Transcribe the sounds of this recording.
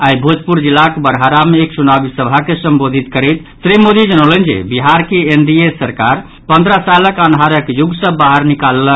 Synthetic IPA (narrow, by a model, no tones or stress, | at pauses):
aibʱod͡ʒpuɾd͡ʒilːakebəɾɦaɾameːkt͡ʃunabisəbʱakesəmbod̪ʱit̪kəɾɛt̪ | t̪ɾimod̪ʱid͡ʒənələnd͡ʒḛbiɦaɾkeenɖiesəɾkaɾ | pənd̪ʱɾəsaləkənɦaɾəkjuɡsə̃baɦəɾnikalːə